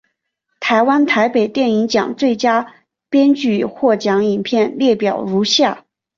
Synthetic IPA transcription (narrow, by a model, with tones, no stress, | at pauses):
t̪ʰa˧˥ɪwa˥nt̪ʰa˧˥ɪpe˨˩ɪt̪jɛ˥˩ni˧˥ŋt͡ɕjɑ̰˨˩ŋt͡swe˥˩ɪt͡ɕja˥ | pjɛ˥nt͡ɕy˥˩xwɔ˥˩t͡ɕjɑ˧˥ŋi˨˩npʰjɛ˥˧nljɛ˥˩pjɑ˨˩ʊɻu˧˥ɕja˥˩